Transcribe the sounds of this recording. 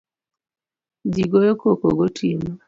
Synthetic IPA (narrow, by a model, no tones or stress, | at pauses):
d͡ʒiɡojokokoɡotʰima